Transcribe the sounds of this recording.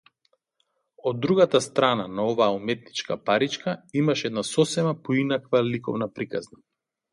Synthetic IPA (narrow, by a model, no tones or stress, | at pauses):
ɔd̪ːɾuɡat̪ast̪ɾananaɔvaːumɛt̪nit͡ʃka̰paɾit͡ʃkaimaʃɛɛd̪nasɔsɛmapɔinakvalikɔ̰vnapɾikazna